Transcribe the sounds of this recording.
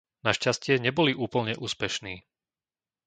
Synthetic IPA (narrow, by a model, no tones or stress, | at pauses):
naʃcascɪɛɲɛbɔliʔuːpl̩ɲɛʔuːspɛʃniː